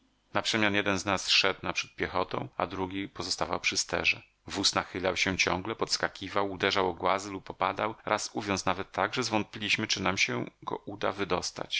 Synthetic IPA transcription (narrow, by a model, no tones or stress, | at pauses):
napʂɛmʲjanjɛd̪ɛnznasʂɛd̪napʂɛ̥t̪̚pʲjɛxɔt̪ɔ̰̃w̃a̰d̪ɾuɡʲipɔzɔst̪ava̰wpʂɘst̪ɛ̰ʐɛ̰ | vusnaxɘlawɕɛt͡ɕɔ̃ŋɡlɛpɔt̪skakʲivawud̪ɛʐawɔɡwazɘlupːɔpad̪awɾʔasuvʲjɔnt̪snavɛt̪ʰːaɡʐɛzvɔnt̪̚pʲilʲiɕmɘt͡ʂɘnamɕɛɡɔ̰ʔud̪a̰vɘd̪ɔst̪a̰t͡ɕ